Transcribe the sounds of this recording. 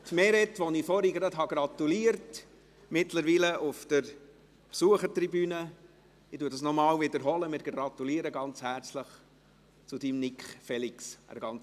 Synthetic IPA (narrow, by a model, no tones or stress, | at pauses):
tmɛɾɛt̪ʋɔnifɔɾiɡɾɑdɦɑɡɾɑtuliːəɾt | mɪtləɾʋiːləʔʊfd̥əɾ | psuəχəɾtribyːnə | ɪtuːədɑsnɔmɑːwvɪd̪əɾɦɔləmɪːɾɡɾɑt̪uliːɾəɡɑnt͡shæɾt͡sləχ | t͡sʊdimnɪkχfɛliksə̰ɾɡɑnt͡s